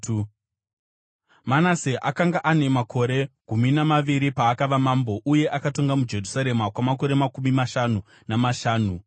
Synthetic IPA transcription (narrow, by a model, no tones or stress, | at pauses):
manaseʔakaŋɡaʔane̞makʰo̞ɾe̞ɡʱuminamaʋiɾipaːkaʋamambo̞ʔuje̞ʔakato̞ŋɡamud͡ʒe̞rusaɾe̞makwamako̞ɾe̞makumimaʃanu | namaʃaːnu